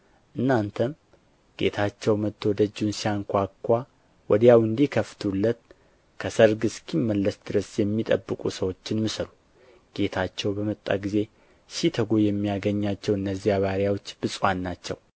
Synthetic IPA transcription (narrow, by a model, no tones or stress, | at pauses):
ʔɨnːant̪ʰəm | ɡ̥e̞̰t̪ʰat͡ʃːɛwmət̪ʰːo̞d̪əd͡ʒːunsijaŋkʷakʰʷːa | wɔd̪jawɨnd̪ikʰəft̪ʰulːət̪̚ | kʰəsəɾɡɨskʰimːəlːəsd̪ɨɾəsjɛmːit̪ʼəbːɨkʼusəwo̞t͡ʃːɪnmɨsəɾu | ɡ̥e̞t̪ʰat͡ʃːɛwbəmət̪ʼːa̰ɡize̞ | sit̪ʰəɡojɛmːijaɡəɲːat͡ʃːɛwɨnːəzːijaβaɾjawo̞t͡ʃːbɨsʼwanːat͡ʃːɛw